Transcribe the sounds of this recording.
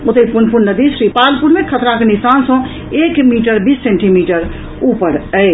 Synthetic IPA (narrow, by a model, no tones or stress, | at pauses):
ot̪əipunpuɾnəd̪iʃɾipalpuɾmekʰət̪ɾakenisansə̃ | ekmiʈəɾbisːẽɳʈimiʈəɾ | upəɾəj